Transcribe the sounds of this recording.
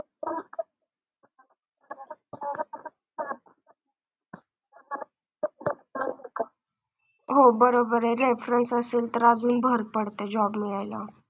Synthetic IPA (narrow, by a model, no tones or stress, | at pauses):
ɦobəɾobəɾeɾeːpʰɾə̃nsasɪlt̪ɾaːd͡ʒunbʱəɾ̚pəɽt̪ed͡ʒɔːbmɪaːjlaː